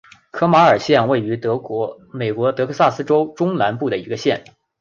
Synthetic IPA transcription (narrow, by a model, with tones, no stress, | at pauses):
kʰɤ˥ma˧˥ə˞˨˩ɕjɛ˥˧nwe˥˩ɪy˧˥t̪ɤ˧˥˧ | me˨˩ɪkwɔ˧˥t̪ɤ˧˥kʰɤ˥˧sa˥˩sɹ̩˥ʈ͡ʂo˥ʊʈ͡ʂʊ˥ŋna˧˥npu˥˩d̪ə˩i˧˥ɡə˧ɕjɛ˥˩n